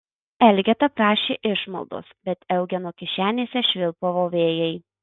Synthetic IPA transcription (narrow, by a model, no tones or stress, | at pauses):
ɛlʲɡʲɛt̪ɐpɾɑːʃʲeːʔɪʃmɐ̰lˠd̪o̰sbʲɛt̪ɛʊɡʲɛnoːkʲɪʃʲæːnʲeːsʲɛʃʲʋʲɪlˠpoʋoːʋʲeːjɛɪ